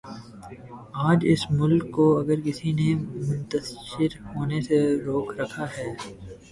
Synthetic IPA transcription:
aːd͡ʒɪsmʊlkːoɐɡəɾkɪsinemʊ̃nt̪əsʃɪɾɦoːneseɾoːkʰɾɐkʰaɦɛː

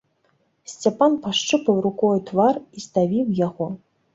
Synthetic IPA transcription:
sʲt͡sʲapanpaʂt͡ʂɨpɐwɾukɔjt̪varist̪avʲiwjaɣɔ

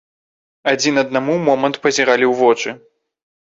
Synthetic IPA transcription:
ad͡zʲinɐd̪namumɔmɐnt̪pɐzʲɛɾalʲiwvɔt͡ʂɨ

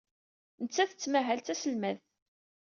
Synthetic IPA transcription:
nət͡sːæθət͡sːmæɦælt͡sæsəlmæθ

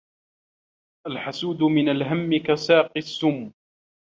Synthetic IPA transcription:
ʔalħasuːd̪ʊmɪnalɦamːɪkasaːqɨsːʊmː

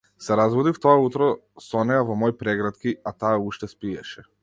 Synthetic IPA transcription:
sɛɾazvɔd̪ift̪ɔaut̪ɾɔsɔnɛjavɔmɔjpɾɛɡɾat̪kiat̪aːuʃt̪ɛspiɛʃɛ

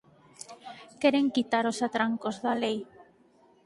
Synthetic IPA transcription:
kɛɾeŋkit̪aɾosat̪ɾaŋkozðalej

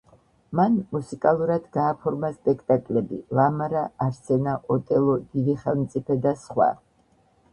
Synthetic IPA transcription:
manmusikʼalˠuɾad̪ɡaːpʰɔɾmaspʼɛkʰt̪ʼakʼlɛbilamaɾaːɾsɛnaʔɔt̪ʼɛlˠɔd̪̥id̪iχɛlˠmt̪sʼipʰɛd̪asχwa̰

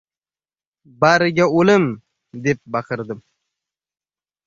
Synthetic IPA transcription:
baɾɪɡʲaolɪm | d̪ep̚bɑqʰɨɾd̪ɨm

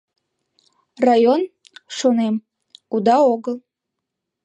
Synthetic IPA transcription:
rajon | ʂonem | ud̪aoɡəlˠ

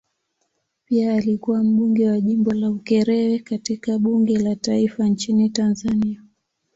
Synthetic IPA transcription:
piaːlikuwam̩ɓuŋɡɛwaʄimbɔlaukɛɾɛwɛkatikaɓuŋɡɛlataifant͡ʃinitanzania

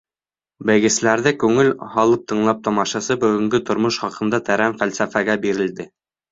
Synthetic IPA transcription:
bɘ̆jɡɘ̆slæɾðɘkʉŋɘlhɑlˠɤp̚t̪ʰɤ̆ɴlˠɑp̚t̪ɑmɑʃɑsɤbɵ̆ɡɘ̆ŋɡɵt̪ŏɾmoʃχɑqɤ̆nd̪ɑt̪æɾæmfælsæfæɡæbiɾɘ̆ld̪ɘ

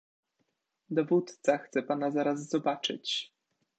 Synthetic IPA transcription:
d̪ɔvut̪t̪saxt̪sɛpanazaɾazzɔbat͡ʂɘ̰t͡ɕ

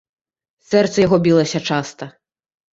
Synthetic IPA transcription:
sɛrt̪sɐjaɣɔbʲilˠɐsʲɐt͡ʂast̪ɐ

